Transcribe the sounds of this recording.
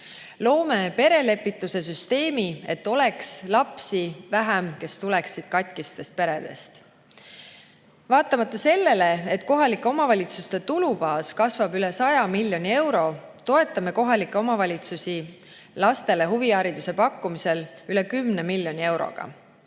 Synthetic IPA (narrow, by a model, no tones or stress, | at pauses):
lo̞ːmepe̞ɾe̞le̞pːˑit̪ːˑuse̞s̬yst̪e̞ːmie̞t̪ːˑo̞le̞kslɑpsivæɦæmke̞st̪ule̞ksid̪̥kɑt̪ʲˑkist̪e̞st̪̚pe̞ɾe̞d̪̥e̞̰st̪ | vɑːt̪ːˑɑmɑt̪ːˑɑse̞lːe̞le̞et̪ːko̞ɦɑlikːˑeo̞mɑvɑlʲit̪sust̪e̞t̪ulubɑːskɑsvɑbyle̞sɑjɑmilːjo̞nʲie̞wɾo̞ | t̪o̞e̞t̪ːˑɑme̞ko̞ɦɑlikːˑe̞o̞mɑvɑlʲit̪susi | lɑst̪e̞le̞ɦuviɑɾid̪̥use̞pɑkːumise̞lylekymnemilʲːjo̞nʲie̞wɾo̰ɡ̥ɑ̰